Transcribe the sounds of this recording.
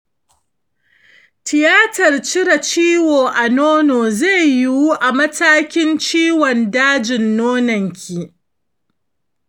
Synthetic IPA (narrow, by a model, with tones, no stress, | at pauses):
tɪ˨jaː˦tɐ˨rt͡ʃɪ˦ɽa˨t͡ʃiː˦woː˨ʔa˨noː˦noː˨zeː˦˨ji˨wu˦ʔa˨mɐ˦taː˦kʲɪ˦nt͡ʃiː˦wɔ˨ndaː˦d͡ʒɪ˨nːoː˦nɐ˨ŋkʲʰi˨